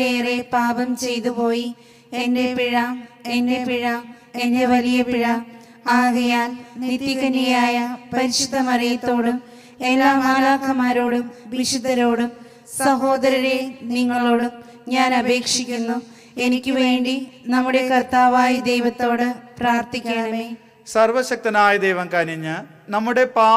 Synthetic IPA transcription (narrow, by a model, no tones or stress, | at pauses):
eːre̞baːbɐmt͡ɕe̞jt̪upo̞ːji | ende̞piɻɐende̞piɻɐm | ende̞ʋɐlijɐpiɻɐ | aːɣɐjaːnnit̪ːjikɐnːijaːjɐpɐɾiɕud̪ːɐmɐrijɐt̪ːo̞ːɽum | elːaːmaːlaːkʰːɐmaːɾoːɽumʋiɕud̪ʱːɐɾo̞ːɽum | sɐɦo̞ːd̪ɐɾɐɾeniŋːɐɭo̞ːɽum | ɲaːnɐbe̞ːkʂikʲːunːu | e̞nikʲːɨʋe̞ːɳɖinɐmːuɽe̞kɐrt̪aːʋaːjid̪ejʋɐt̪ːo̞ːɽɨpraːrt̪ikʲːeːɳɐni | sɐrʋɐɕɐk̚t̪ɐnaːjɐd̪ejʋɐmkaːniɲːɐ | nɐmːuɽe̞paː